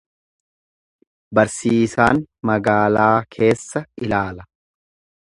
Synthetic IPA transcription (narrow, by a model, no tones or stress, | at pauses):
bɐɾsiːsaːnmɐɡaːlaːkʰe̞ːsːɐʔɪlaːlɐ